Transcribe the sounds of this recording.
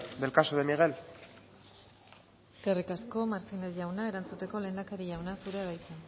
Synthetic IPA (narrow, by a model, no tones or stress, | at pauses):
d̪elkasoðemiɣ̞el | skerikasko̞maɾt̪ine̞zʝawnae̞ɾant͡sut̪e̞ko̞le̞ːnd̪akaɾiʝawnasuɾeɾajt͡sen